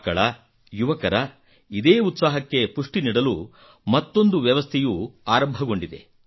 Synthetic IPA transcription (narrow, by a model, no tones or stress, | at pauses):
kɐɭɐ | juʋɐkɐɾɐ | id̪eːut̪saːɦɐkːe̞puʂʈiniːɽɐlu | mɐt̪ːo̞nd̪uʋjɐʋɐst̪ʰejuaːɾɐmbʱɐɡo̞ɳɖid̪e̞̰